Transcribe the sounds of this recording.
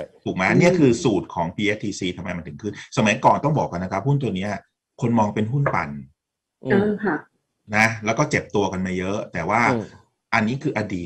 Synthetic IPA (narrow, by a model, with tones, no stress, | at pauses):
t̪ʰuː˨˩k̚maː˦˥ni˥˩ɐkʰɯː˧suː˨˩t̪̚kʰɔː˩˦ŋpʰiː˧ʔe˦˥t̪ʰiː˧siː˧t̪ʰmːa˧jm˧nt̪ʰɯ˩˦kʰɯ˥˩nsa˧ma˨˩˦jkɔː˨˩nt̪ɔ˥˩ŋbɔː˨˩k̚ːa˧nːa˦˥kʰa˦˥p̚hu˥˩nt̪u˧ɐni˦˥ɐ | kʰo˧nmɔː˧ŋpe˧nɦu˥˩npa̰˧n | a˧˩kʰa˥˩ | na˦˥lɛː˦˥wkɔː˥˩t͡ɕe˨˩p̚t̪u˧ɐka˧nmaː˧˥˩jɤ˦˥ʔt̪ɛː˨˩waː˥˩ | ʔa˧nːiː˦˥kʰɯː˧ʔa˧diː˨˩t̪̚